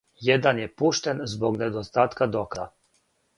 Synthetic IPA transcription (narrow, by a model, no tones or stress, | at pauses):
jed̪anjepuʃt̪enzboɡned̪ost̪aːt̪kad̪okɾa̰